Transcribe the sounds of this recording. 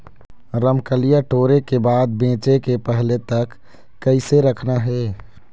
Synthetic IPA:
ɾəmkəlijaʈoːɾekebaːd̪̚bẽːt͡ʃekepɛɦlet̪ɐkː | əɪseɾɐkʰnaɦɛː

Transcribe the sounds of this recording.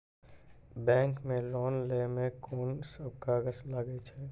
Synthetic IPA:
bɛ̃ːŋkmẽlɔːnlemẽkʰoːnsəb̚ʱkaɡəslaːɡet͡ʃʰɛ

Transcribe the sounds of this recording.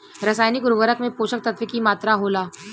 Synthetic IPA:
ɾɐsaːjnikɾuɡəɾəkmẽpoːʃək̚t̪ɐt̪ʋɪkimaːt̪ɾaɦoːlaː

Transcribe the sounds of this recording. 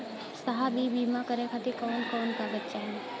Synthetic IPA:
sɐɦabʱibiːmakəɾẽkʰat̪ekɔːnkɔːnkabɐtːʃaɦɛː

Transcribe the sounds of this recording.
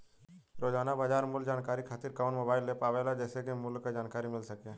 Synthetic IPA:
ɾoːd͡ʒaːnabaːd͡ʒaːɾmʊld͡ʒaːnkaːɾikʰaːt̪ɪɾkaʊnmoːbaːɪlːepaːʋɛlad͡ʒɛːsekimʊlkad͡ʒaːnkaːɾimɪlsəkeː

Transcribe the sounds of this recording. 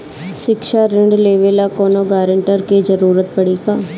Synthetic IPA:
ʃɪkʃaɾɪɳɖleːʋeːlakoːnoːɡaːɾəɳʈəɾked͡ʒəɾuːɾət̪̚pəɽiːkaː

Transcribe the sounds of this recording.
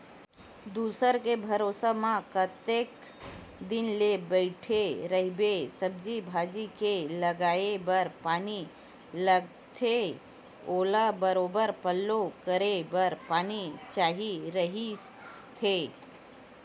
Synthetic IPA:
d̪uːsəɾkebʱəɾoːsəmãkət̪eːk | d̪ɪnlebəɪʈʰeɾəɦbesəb̚d͡ʒibʱaːd͡ʒikeləɡaːebəɾpaːni | ləɡ | t̪ʰe | oːlabəɾoːbəɾpəlːokəɾebəɾpaːnit͡ʃaːɦiɾəɦi | t̪ʰe

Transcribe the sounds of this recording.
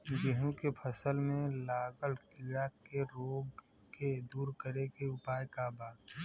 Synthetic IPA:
ɡɪɦũkepʰəsəlmẽlaːɡəlkiːɾakeɾoːɡ | ked̪uːɾkəɾekeʊpaːjkabaːɽ

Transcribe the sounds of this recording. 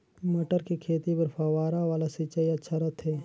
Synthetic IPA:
mɐʈəɾkikʰeːt̪ipɐɾfʰaːwaːɾaʋaːlasit͡ʃaiɐtːʃʰaɾɐt̪ʰɦɛː

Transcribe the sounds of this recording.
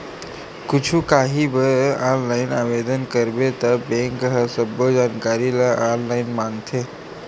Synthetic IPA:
kʊt͡ʃʰũkaːɦibəaːnlaːɪnaːʋed̪ənkəɾbet̪əbẽŋkɦəsəbod͡ʒaːnkaːɾiləʔaːnlaɪnmãŋɡt̪ʰe

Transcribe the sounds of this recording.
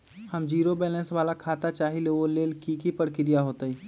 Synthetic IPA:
həmd͡ʒiːɾobɛːlɛ̃ːnsʋaːlakʰaːt̪at͡ʃaːɦileʋoleːlkikipəɽkɪɾijaɦoːt̪aiː

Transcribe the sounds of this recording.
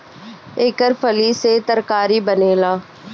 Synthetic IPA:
eːkəɾpʰəliːset̪əɾkaːɾiːbəneːlaː

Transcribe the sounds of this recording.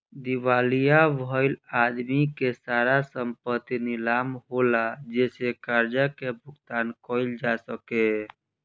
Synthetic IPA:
d̪iʋalijabʱəɪlad̪mikesaɾasəmpət̪inilamɦolad͡ʒesekaɾd͡ʒakebʱʊkt̪ankɔɪld͡ʒasəke

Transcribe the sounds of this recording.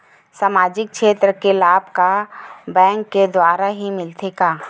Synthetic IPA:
saːmaːd͡ʒɪk̚kʃeːt̪ɾəkelaːbkabɛ̃ːŋkːed̪waːɾaɦimɪlt̪eːɡaː

